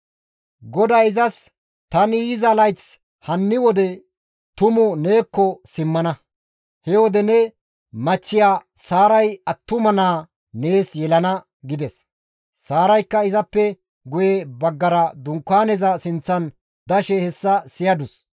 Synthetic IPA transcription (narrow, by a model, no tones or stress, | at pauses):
ɡɔd̪ɐjɪzɐs | t̪ɐnɪjɪzɐlɐjt͡s | hɐnːɪwɔd̪ɛ | t̪ʊmʊne̞ːkːɔsɪmːɐnɐ | hɛwɔd̪ɛnɛ | mɐt͡ʃːɪjaː | saːɾɐjɐt̪ːʊmɐnaː | ne̞ːsjɛlɐnɐ | ɡɪd̪ɛs | saːɾɐjkːɐɪzɐpːɛ | ɡʊjebɐɡːɐɾɐd̪ʊŋkːaːnɛzɐsɪnt͡sːɐn | d̪ɐʃɛhɛsːɐsɪjɐd̪ʊs